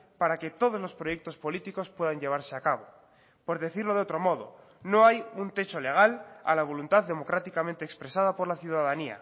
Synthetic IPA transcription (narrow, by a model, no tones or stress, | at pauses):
paɾake̞t̪o̞ð̞o̞zlo̞spɾo̞jek̚t̪o̞spo̞lit̪iko̞spwe̞ðaɲʎe̞βaɾse̞akaβ̞o̞ | po̞ɾðe̞θiɾlo̞ðo̞t̪ɾo̞mo̞ð̞o̞̰ | no̞ajunt̪e̞t͡ʃo̞le̞ɣ̞ala̰laβ̞o̞lunt̪aððe̞mo̞kɾat̪ikamẽnt̪eːkspɾe̞saðapo̞ɾlaθjuðaðania̰